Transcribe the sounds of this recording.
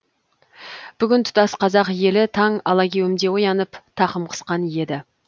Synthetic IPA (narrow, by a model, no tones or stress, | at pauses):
b̥ʏɡʲɪnt̪ʰʊ̥t̪ɑsqʰɑzɑqje̞lɪt̪ʰɑŋɑlˠɑkʲʰe̞wɪmd̪e̞wojɑnəpt̪ʰɑqəmqʰə̥sqɑnje̞d̪ɪ